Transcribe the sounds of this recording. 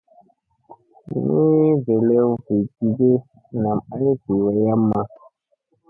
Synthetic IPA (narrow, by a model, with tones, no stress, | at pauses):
mi˦ve˨lɛ˦vi˨ti˨ɡe˦ | na˨ma˦i˦ki˨wa˨ja˦mːa˦